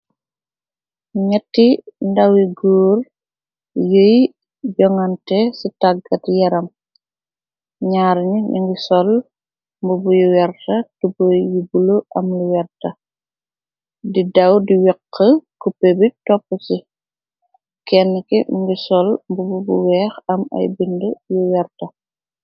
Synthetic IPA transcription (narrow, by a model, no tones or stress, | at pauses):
ɲɐtːindɐwiɡuːr | jəj | ɟɔŋɐntɛsitaɡɐtjɐɾɐm | ɲaːɾɲiɲḭŋɡisɔl | mbubujuwɛɾtɐtubojubuloʔɐmluwɛrtɐ | didɐwdiwɛqːəkupebitɔpːət͡ʃi | kɛnːəkɛɲ̰ŋɡisɔlmbububuwɛːxɐmɐ̰jbindəjuwɛrtɐ